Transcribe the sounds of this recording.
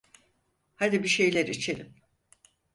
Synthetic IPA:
had̪ibiʃe̞jlʲæɾit͡ʃʰe̞lʲim

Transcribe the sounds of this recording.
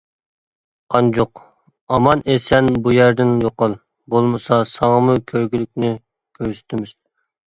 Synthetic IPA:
qʰɑnd͡ʒoq | ɑmɑnʔesɛnbujæɾd̪ɪnjoqɑlˠ | bolˠmɨsɑsɑŋəmʊkʲʰøɾɡʲilykʲnɪ | kʲʰøɾsy̥t̪ʰɪmɪz̥

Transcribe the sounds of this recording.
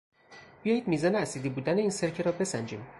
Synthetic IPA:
b̥ijɒːjiːd̪̚miːzɒːneæsid̪iːbuːd̪æne̞iːnseɾcʰeɾɒːbe̞sænd͡ʒiːm

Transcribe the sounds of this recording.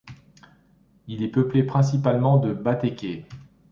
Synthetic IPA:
ilɛpəplepχɛ̃s̬ipalmɑ̃d̪əbat̪ekʲe

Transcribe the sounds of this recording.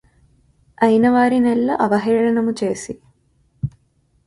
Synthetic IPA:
ɐjnɐʋaːɾinelːɐʔɐʋɐɦiːɭɐnɐmut͡ʃeːsi

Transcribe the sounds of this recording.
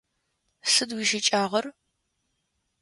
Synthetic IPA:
sɨdwiːʃɪt͡ʃʼaːʁɐr

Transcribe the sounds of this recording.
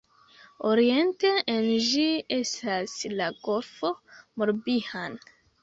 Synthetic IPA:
oɾie̞nte̞end͡ʒie̞staslaɡo̞lfo̞moɾbihan

